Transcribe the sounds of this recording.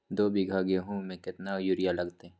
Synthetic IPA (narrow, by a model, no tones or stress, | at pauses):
d̪oːbʱiɡʱaːɡeɦũmẽkɪt̪najʊɾɪjalɐɡt̪ẽ